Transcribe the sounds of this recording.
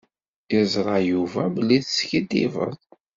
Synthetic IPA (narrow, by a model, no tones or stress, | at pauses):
izˤɾˤɑjuvæbəlːiðsçid̪ḭvə̰ðˤ